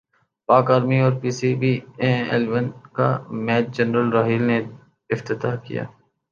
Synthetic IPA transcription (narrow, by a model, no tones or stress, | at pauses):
paːkaːɾmiɔːɾpiːsibiːẽḛlʋənka̰mɛːt̪̚d͡ʒɐnɾəlɾaːɦiːlne | ɪft̪ɪt̪aːkḭja̰ː